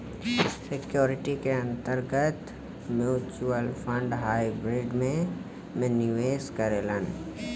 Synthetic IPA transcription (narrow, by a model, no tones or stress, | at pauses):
sɪkjoːɾɪʈikeɐ̃nt̪əɾɡət̪ | mjuːt͡ʃuəlpʰə̃ɳɖɦaːibɾɪːɖmẽ | mɛ̃nɪʋeːskəɾelən